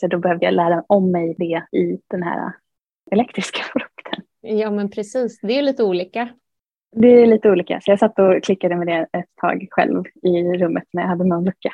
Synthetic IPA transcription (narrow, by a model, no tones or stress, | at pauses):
sɔd̪ɔbɛhœvd̪əja̰læːɾaɛnɔmːɛjd̪ɛɪd̪̥ɛnɦæ̰ːɾa̰ | ɛlɛkt̪ɾɪskʰḁfɾɵkt̪ʰən | jɑːmɛnpʰɾɛsiːsd̪ɛliːt̪əuːliːka | d̪ɛæɭiːt̪əuːliːka̰sɔjɑːsat̪ːɔkʰlɪkːad̪əmɛd̪ɛɛt̪ʰːɑ̰ːɡɧɛ̰lvɪɾɵmːət̪næjahad̪ːənɔnlɵkːa